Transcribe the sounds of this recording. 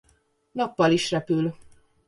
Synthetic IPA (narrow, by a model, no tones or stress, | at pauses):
nɒpːɒliʃrɛpyl